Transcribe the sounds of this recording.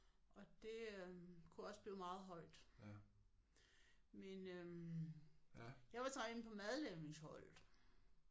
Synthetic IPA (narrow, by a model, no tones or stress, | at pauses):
ʔɒ̽d̥e̝kʰuɒ̽səb̥liːʊmɑ̈ːð̞̩ˠɦɒ̽ɪ̰d̥ | menø | jɑ̈ɪʋɑ̈t͡sʰʁɑ̈ɡen̩pʰɒ̽mæðˠleneŋshɒ̽l̰̩ˠ